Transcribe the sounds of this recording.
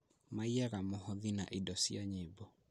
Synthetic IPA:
maiɛɾamohɔðina̰ʔidɔsiaɲebɔ

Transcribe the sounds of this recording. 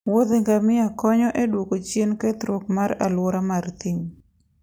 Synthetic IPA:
wot̪eŋɡamɪakɔɲɔʔedwokot͡ʃjenkɛt̪ɾok̚maɾalwoɾamart̪iŋ

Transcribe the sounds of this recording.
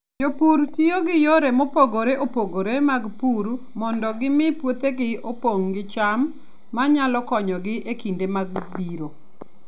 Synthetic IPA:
d͡ʒopuɾtioɡɪjoɾemopoɡoɾeʔopoɡoɾemaɡpuɾ | mɔndɔɡɪmɪpwot̪eɡɪopoŋɡɪt͡ʃamː | aɲalɔkɔɲɔɡɪʔekindemaɡbiɾo

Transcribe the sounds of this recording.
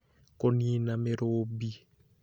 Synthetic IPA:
koniːnameɾoːbi

